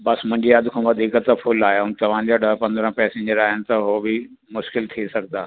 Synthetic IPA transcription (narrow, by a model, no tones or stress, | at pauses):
bɐsmʊ̃ɦɪɲd͡ʑiəd̪kʰãʋɐd̪ʱiːkət̪ɐfʰʊlaːɦejaɦʊ̃nt̪ɐʋ̤ãd͡ʑaːɗəɦpɐ̃nd̪ɾə̃pɛːsẽːɲd͡ʑəɾaːɦɪnɪ̆t̪ɐɦobɪ | mʊʃkɪlt̪ʰisɐɡʱd̪aː